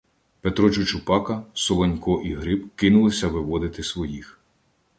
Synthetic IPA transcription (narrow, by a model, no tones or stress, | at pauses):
pet̪ɾɔt͡ʃʊt͡ʃʊpɑkɐsɔlˠɔnʲkɔʔiɦɾɪbkɪnʊlˠɪsʲɐʋɪʋɔd̪ɪt̪ɪsʋɔjix